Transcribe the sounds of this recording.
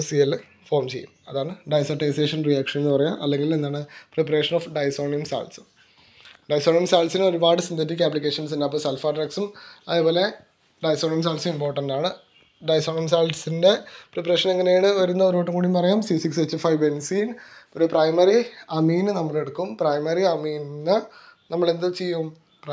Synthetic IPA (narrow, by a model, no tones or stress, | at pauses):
sijɐlː | foːrmt͡ɕe̞̰jumɐðaːɳɨɖɐjsɐʈɐjseːʂɐnrijaːkʂɐnenːɨpɐrɐjaʔɐlːe̞ŋɡile̞nd̪aːɳɨprepɐreːʂɐnoːfɖɐjsoːɳiɐmsa̰ːlʈsɨ̥ | ɖɐjsoːɳijɐmsaːlsinoɾubaːɽɨsind̪ɐt̬ːikʲːaːplik̬ʲːe̞ːʂɐns̬indaɐpːoːsɐlfaːʈrɐksumɐðeːpoːle̞ | ɖɐjsoːɳijɐmsaːlsumimpo̞ːrʈːɐnɖaːɳɨ | ɖɐjsoːɳijɐmsaːlsinde̞prepːɐre̞ːʂɐneŋːɐnejaːɳɨʋɐɾunːɐoɾoːʈːɨŋkuːɽimpɐrɐjaːmsisikset͡ɕːufɐjʋensiːnoɾuprɐjmɐɾiɐmiːnɨnɐmːɐɭe̞ɽukːumprɐjmɐriɐmiːnnɨnɐmːɐɭe̞nd̪ɨt͡ɕejːum | p